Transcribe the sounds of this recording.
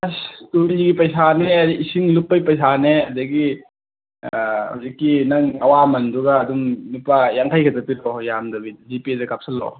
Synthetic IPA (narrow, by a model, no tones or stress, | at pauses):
astuɾiɡipɐjsaneɐdiisiŋlupːɐjpɐjsaneɐdɐɡi | ha̰wzikːinɐŋɐwamɐnduɡɐːdumnupajaŋtʰajkʰɐtɐpiɾɔjamdɐbizipidɐkap̚sɐlːɔ̰